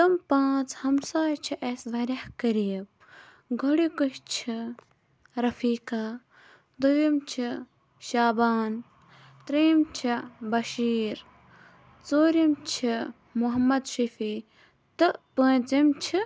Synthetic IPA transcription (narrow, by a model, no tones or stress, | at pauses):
t̪ɐmpãːt͡sʰhɐmsaːjt͡ʃʰiʔesʋɐɾʲahkɐɾijɐb̚ | ɡʱoɽikuʃt͡ʃʰi | ɾɐfʰiːka | d̪ujimt͡ʃʰi | ʃaːbaːn | t̪ɾimt͡ʃʰibɐʃiːɾ | t͡soːɾimt͡ʃʰi | muɦɐmːɐd̪ʃifʰiː | t̪ɨʔpə̃ːt͡simt͡ʃʰi